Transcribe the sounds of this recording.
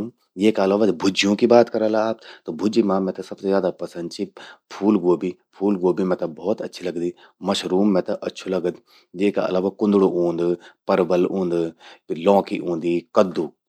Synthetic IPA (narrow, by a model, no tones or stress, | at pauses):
jeːkaɐlaːʋaːbʱʊd͡ʒijõːkibaːt̪kɐɾaːlaaːp̚t̪obʱʊd͡ʒimãːmɛ̃ːt̪ɐsɐbsezjaːd̪apɐsə̃nd̪t͡ʃipʰuːlɡoːbʱipʰuːlɡobʱimɛ̃ːt̪ɐbɔːt̪ɐ̰tːʃʰilɐɡd̪iː | mɐʃɾuːmːɛ̃ːt̪ɐʔɐtːʃʰolɐɡəd̪ | jeːka̰ɐ̰laːʋaːkʊ̃nd̪ɽoʔũːnd̪pɐɾbəlũːnd̪lɔ̃ːkḭʔõːnd̪iːkəd̪ːuː